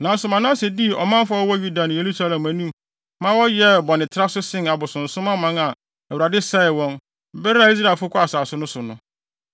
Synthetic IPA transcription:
nã˨˦sʊ˨mã˨nã˦sɛ˨di˦˨ʔɔ˨mã˦m˦fa˦ɔ˦wɔ˦ju˦da˨nʊ̃˨je˨ɾu˦sa˦lɛ̃˨mæ̃˨nũ˦ | mã˦wɔ˦jɛ˦bɔ˨nɪ̃˨tʰɪ˦ɾa˦sʊ˦sɪ̃˦na˨bʊ˨sʊ̃˨n̩˨sʊ̃˦mã˦mã˦ŋa˨ | ɛ˨wu˨ɾa˨dɪ˦sɛ˦ɪ˨wɔ̃˦n˦ | bɛ˦ɾa˦˨i˦s̬ɾa˦˨fʊ˦kʰʷʊ˦a˨saː˨sʊ˦nʊ̃˦sʊ˨nʊ̃˦

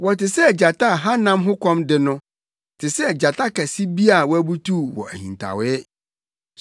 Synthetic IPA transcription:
wɔ˨tɪ˨sɛ˦˨d͡ʑa˨tʰa˦˨ɦã˦nã˦mɦʊ˦kʰɔ̃˦mdɪ˨nʊ̃˦ | tʰɪ˨sɛ˦˨d͡ʑa˨tʰa˦kæ˨si˦bi˦a˨wɔ˦æ˦bu˦tʰu˦˨wɔ̰˨æ˨hḭ̃˨n˨tʰa̰˨wɪ˦ɛ˦

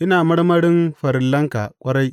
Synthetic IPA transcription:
ʔɪ˦naː˨mɐ˦ɽmɐ˦ɽɪ˦mɸɐ˨ɾɪ˨lːɐ˦ŋka˨kʷʼɐ˦ɽa˦jʔ

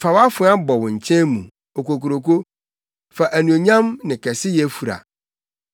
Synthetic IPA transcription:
fa˨wa˦fʊ̃˨˦a˦bɔ˨wʊ̃˨ɲ̩˨t͡ɕʰɛ̃˦mũ˨ | o˨ko˨ko˨ɾo˨ko˦ | fa˨ʔæ˨nũ˨o˨ɲã˦mnɪ̃˨kʰɛ˨sɪ˦jɛ˨˦fu˨ɾa̰˨

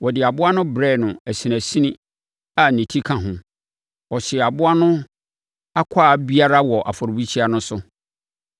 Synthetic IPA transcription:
wɔ˨dɪ˨a˨bʊ˦a˦nʊ̃˦bɾɛ˦˨nʊ̃˨æ˨si˨næ˨si˦nĩ˦ | a˨nĩ˨tʰi˦kʰã˨ɦʊ̃˨ | ɔ˨ɕɪ˨ɛ˨a˨bʊ˦a˦nʊ̃˦ | a˦kʷʰaː˦˨bi˦a˦ɾa˦wɔ˨ʔa̰˨fɔ˨ɾbi˦t͡ɕʰi˦a˦nʊ̃˦sʊ˦

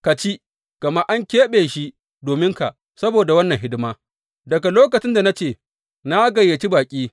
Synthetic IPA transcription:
ka˨t͡ʃi˦ | ɡ̥ɐ˨ma˦ʔa˦ŋkʲeː˦ɓeː˨ʃi˦ | doː˨mɪ˦ŋka˨ʔ | sɐ˦boː˨da˨wɐ˦nːɐ˨ŋɦɪ˦dɪ˦maː˦ | dɐ˨ɡa˨loː˦kɐ˨t͡ʃɪ˦nda˨na˦t͡ʃeː˦˨ | na˦ɡɐ˨jːa˨t͡ʃi˦baː˨kʲʼiː˦

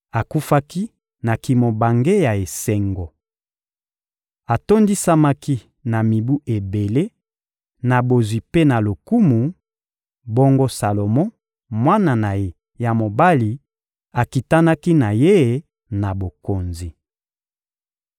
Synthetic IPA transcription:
a˨ku˦fa˦ki˦ | na˨ki˨mo˨ba˨ŋɡe˦ja˨e˨se˦ŋɡo˨ | a˨to˦ndi˦sa˦ma˦ki˦ | na˨mi˨bu˦ʔe˨be˨le˦ | na˨bo˨zwi˨pe˦na˨lo˨ku˦mu˨ | bo˦ŋɡo˦sa˨lo˨mɔ˦ | mwa˦na˨na˨je˨ | ja˨mo˨ba˦li˨ | a˨ki˨ta˦na˦ki˦na˨je˦˨ | na˨bo˨ko˨nzi˨

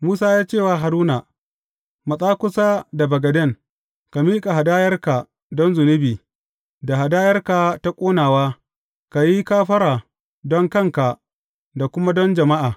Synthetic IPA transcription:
muː˦saː˦jaː˦t͡ʃeː˦˨waː˨ɦa˨ɾuː˦na˨ | mɐ˨sʼaː˦kʷʊ˦saː˦da˨bɐ˨ɡɐ˨dɛ˦˨ŋ | ka˨miː˦kʼa˨ɦa˨daː˦jɐ˦rka˨ | dɔ˦nzʊ˨nɪ˦biː˨ | da˨ɦa˨daː˦jɐ˦rkaː˨ta˦kʷʼoː˦naː˨waː˦ | ka˨ji˦kaː˦ɸɐ˦ɾaː˨ | dɔ˦ŋkɐ˦ŋka˨ | da˨kʷʊ˦ma˦dɔ˦nd͡ʒɐ˨ma˦ʔaː˨

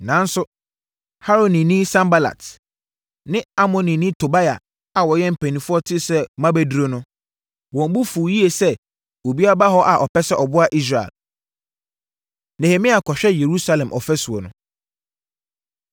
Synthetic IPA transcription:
nã˨˦n̩˦sʊ˦ | ha˦ɾo˨nĩ˨nĩ˦sã˦mba˦la̰˨t | nɪ̃˦a˦mɔ̃˨nĩ˨nĩ˦tʰo˨ba˦ja̰˨ | a˨wɔ˨jɛ̃˦m̩˨pʰæ̃˨nĩ˨fʊ˦ɔ˦tʰɪ˦sɛ˦mã˦bɛ˦du˨ɾo˦nʊ̃˦ | wɔ̃˨m˦bʊ˦fu˨ji˦e˨sɛ˦ | o˨bi˦a˦ba˦ɦɔ˦ʔa˨ʔɔ˨pɛ˦sɛ˦ʔɔ˨bʊ˦a˨ʔi˦s̬ɾa˨ɛ̰˨l | ne˨he˨mĩ˦a˨kʰɔ˨ɕᶣɛ˦je˨ɾu˦sa˦lɛ̃˨mʔɔ˨fɛ˦su˨ɔ˨nʊ̃˨

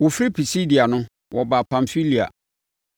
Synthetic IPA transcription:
wo˨fɾi˦pʰi˨si˦di˨a˨nʊ̃˦ | wʔɔ˨ba˨pʰã˨ɱfi˦li˨a̰˨

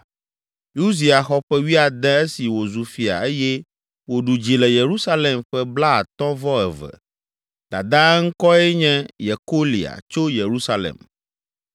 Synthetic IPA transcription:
ju˦zi˨a˨xɔ˦ɸɛ˦wi˦a˨d̪ɛ̃˦e˦si˨wo˨zu˨fi˨a̰˨e˦jɛ˦ | wo˨ɖu˨d͡ʑi˨lɛ˨je˨ɾu˦sa˦le˨mɸɛ˦bla˦a̰˨t̪ɔ̃˦vɔ˦ɛ˨vɛ̰˨ | d̪̥a̰˨d̪ã˦ŋ̩˦kɔ˦ɛ˦ɲɛ̃˦je˨ko˦lḭ˨a̰˨t͡ʃo˦je˨ɾu˦sa˦lḛ˨m

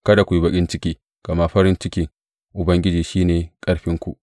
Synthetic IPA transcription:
kɐ˦da˨kʷu˨ji˦bɐ˨kʲʼɪ˦nt͡ʃɪ˦kʲiː˦ | kɐ˨ma˦ɸɐ˦ɾɪ˦nt͡ʃɪ˦kʲɪ˦ŋ | ʔʊ˨bɐ˦ŋɡʲɪ˦d͡ʒiː˨ʃiː˦neː˨kʼɐ˦ɽɸɪ˦ŋkʷu˨ʔ

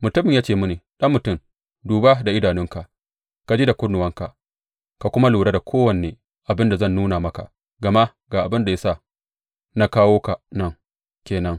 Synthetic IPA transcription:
mʊ˨tʊ˦mɪ˨jaː˦t͡ʃeː˨mʊ˦neː˨ɗɐ˦mːʊ˨tʊ˦˨m | duː˨ba˦da˨ʔɪ˦daː˨nɪ˦ŋka˨ | ka˨d͡ʒiː˦da˨kʷʊ˦nːʊ˨wɐ˦ŋka˨ | ka˨kʷʊ˦ma˦luː˨ɽa˦da˨kʷʰoː˦wɐ˨neː˨ | ʔa˨bɪ˦nda˨zɐ˦˨nːuː˦na˨mɐ˦ka˨ | ɡɐ˨ma˦ʔ | ɡaː˨ʔa˨bɪ˦nda˨ja˦sa˦˨ | na˦kaː˦woː˦ka˨nɐ˦˨ŋ | kʲeː˨nɐ˦ŋ

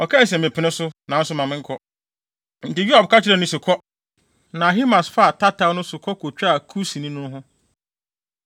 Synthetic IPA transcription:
ɔ˨kʰɛ˦˨s̬ɛ̃˨mɪ̃˨pʰɪ˨nɪ̃˦sʊ˦nã˨n̩˦sʊ˦mã˨mɪ̃˦ŋ̩˦kʰɔ˦ | n̩˨tɪ˨ju˦ha˨b̚ka˦t͡ɕʰɪ˨ɾɛ˦˨nʊ̃˦sɪ˨kʰɔ˦ | nã˨ɦi˦mã˨sfa˦a˨tʰa˦tʰa˨˦nʊ̃˦sʊ˨kʰɔ˦kʰo˨t͡ɕᶣa˨kʰu˦sĩ˨nĩ˦nʊ̃˦n˦ɦʊ̃˦

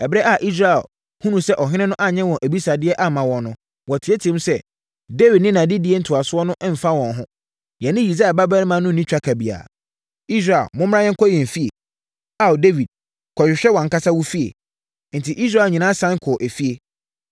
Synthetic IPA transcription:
ɛ˨bɾɛ˦ʔa˦˨ʔi˦s̬ɾa˨ɛ̰˨l | hũ˦nũ˨sɛ˦ʔɔ˨ɦɪ̃˦nɪ̃˦nʊ̃˦ʔa˦ɲɛ̃˦wɔ̃˨ʔæ˨bi˦sa˨dɪ˦ɛ˦ʔa˦mã˨wɔ̃˨nnːʊ̃˦ | wɔ˨tʰɪ˨˦e˦tʰĩ˦m˦sɛ˦ | de˦vi˨d̚nɪ̃˦nã˨dɪ˦dɪ˦e˦n̩˦tʰʊ˨a˨sʊ˦ɔ˦nʊ̃˦ʔm̩˨fa˦wɔ̃˨nɦʊ̃˦ | jɛ̃˨nɪ̃˦ji˨s̬a˦ɛ˨ba˦ba˦ñ˦mã˨˦nʊ̃˦n˨nĩ˦t͡ɕᶣɾa˦kʰa˨bi˨a̰˨ | i˦s̬ɾa˨ɛ̰˨lmʊ̃˦m˦ɾã˦jɛ̃˦kɔ˦jɛ̃˨m̩˨fi˦ḛ˨ | a˦˨wde˦vi˨d̥̚ | kʰɔ˨ɕᶣɪ˨ɕᶣɛ˦wɔ̃˨ŋ̩˦ka˦sa˦wu˦fi˦ḛ˨ | n̩˨tʰi˨ʔi˦s̬ɾa˦˨ɲĩ˨nãː˦sã˦ŋ˦kʰʊ˨ʔæ˨fi˦e˨

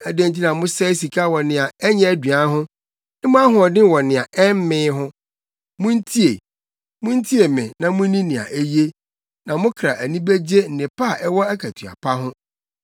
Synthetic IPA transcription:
æ˨dæ̃˦˨ɲt͡ɕʰi˦nã˨mʊ̃˦sɛ˦si˨kʰa˦wɔ˨nɪ̃˨a˨ɛ˦ɲɛ̃˦æ˦˨dɥa˦ɦʊ̃˦ | nɪ̃˦mʊ̃˦a˦ɦʊ̃˨ɔ˨dɪ̃˦wɔ˨nɪ̃˨a˨ɛ˦m̩˦mɪ̃ː˦ɦʊ̃˦ | mʊ̃˦n̩˦tʰi˦e˨ | mʊ̃˦n̩˦tʰi˦e˨mɪ̃˨nã˨mʊ̃˦nĩ˦nɪ̃˨a̰˨ʔe˦je˦ | nã˨mʊ̃˦kʰɾa˨ʔæ˨nĩ˦bæ˦d͡ʑe˦n̩˨nɪ̃˨pa˦˨ʔɛ˦wɔ˦æ˦kʰæ˨tʰɥa̰˨pʰa˦ɦʊ̃˦

